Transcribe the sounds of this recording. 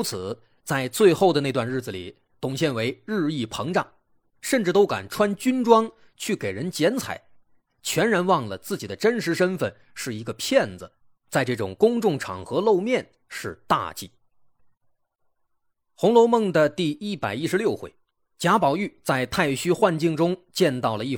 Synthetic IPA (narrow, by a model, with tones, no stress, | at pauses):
u˥t͡sʰɹ̩˨˩ | t͡sa˥˧ɪt͡swe˥˧ɪxo˥˩ʊd̪əne˥˧ɪt̪wa˥˧nɻ̩˥˩d͡z̩˩lḭ˨˩ | t̪ʊ˨˩ŋɕjɛ˥˩nwe˧˥ɪɻɻ̩˥˧i˥˩pʰɤ˧˥ŋʈ͡ʂɑ˨˩˦ŋ | ʂə˥˧nʈ͡ʂɻ̩˥˩t̪o˥ʊka̰˨˩nʈ͡ʂʰwa˥nt͡ɕy˥nʈ͡ʂwɑ˥ŋ | t͡ɕʰy˥˩ke˨˩ɪɻə˧˥nt͡ɕjɛ˧˥nt͡sʰa̰˨˩˦ɪ | t͡ɕʰɥɛ˧˥nɻa˧˥nwɑ˥˩ŋlə˩t͡sɹ̩˥˩t͡ɕi˨˩d̪ə˦ʈ͡ʂə˥nʂɻ̩˧˥ʂə˥nfə̰˥˧˩n | ʂɻ̩˥˩i˧˥ɡə˧pʰjɛ˥˩nd͡z̩˩ | t͡sa˥˧ɪʈ͡ʂɤ˥˩ʈ͡ʂʊ̰˨˩ŋkʊ˥ŋʈ͡ʂʊ˥˩ŋʈ͡ʂʰɑ̰˨˩ŋxɤ˧˥lo˥˧ʊmjɛ˥˧n | ʂɻ̩˥˧t̪a̰˥˧t͡ɕḭ˥˩ | xʊ˧˥ŋlo˧˥ʊmɤ˥˩ŋd̪ə˨t̪i˥˧i˥pa˨˩ɪi˥ʂɻ̩˧˥ljo˥˧ʊxwḛ˥˩ɪ | t͡ɕja˧˥pɑ˨˩ʊy˥˩t͡sa˥˧ɪt̪ʰa˥˩ɪɕy˥xwa˥˧nt͡ɕi˥˩ŋʈ͡ʂʊ˥ŋt͡ɕjɛ˥˧nt̪ɑ˥˩ʊlə˩i˥˩